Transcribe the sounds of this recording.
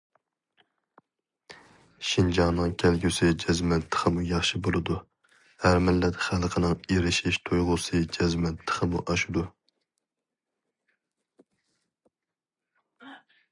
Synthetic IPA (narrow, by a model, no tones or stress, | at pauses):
ʃind͡ʒɑŋnɨŋkʲʰɛlɡʲysɪd͡ʒɛzmɛt̪ʰːə̥χʰəmujɑχʃibolˠɨd̪u | hæɾmɪlːɛt̪χælˠqʰənɨŋeɾɪʃiʃt̪ʰojʁʊsɨd͡ʒɛzmɛt̪ʰːə̥χʰəmuʔɑʃud̪u